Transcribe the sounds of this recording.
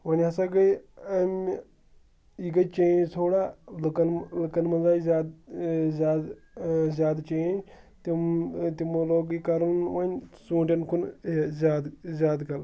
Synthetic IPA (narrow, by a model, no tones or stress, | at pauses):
ʋɐnʲɦɐsɐɡɐjɐm | iɡɐt͡ʃẽːd͡ʒt̪ʰoːɽaːlɨkɐnlɨkɐnmɐzaːizʲaːd̪zʲaːd̪ | zʲaːd̪t͡ʃeːnd͡ʒt̪imt̪imoloːɡikɐɾɐnʋɐnʲsũːɳʈʲɐnkʰunzaːd̪zʲaːd̪kɐl